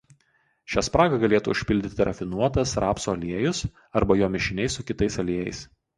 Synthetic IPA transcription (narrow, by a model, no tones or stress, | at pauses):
ʃʲæːspɾɑːɡɐɡɐlʲeːt̪ṵʊʃʲpʲɪlʲd̪ʲɪt̪ʲɪɾʔɐ̰fʲɪnuɔt̪ɐsɾɑːpsoːɐlʲiɛjʊs | ɐɾbɐjoːmʲɪʃʲɪnʲɛɪsʊkʲɪt̪ɐɪsɐlʲiɛjɛ̰ɪs